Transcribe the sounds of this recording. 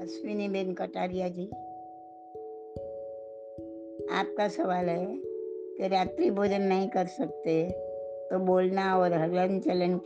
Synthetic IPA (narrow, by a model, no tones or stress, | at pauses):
ɐsʋɪnibenkɐʈaːɾijad͡ʒiː | a̰ːp̚kasɐʋaːlɦɛkeɾaːt̪ɾiboːd͡ʒənːɐɦĩkɐɾsɐk̚t̪et̪oboːlnaɔːɾɦɐɾənt͡ʃələnk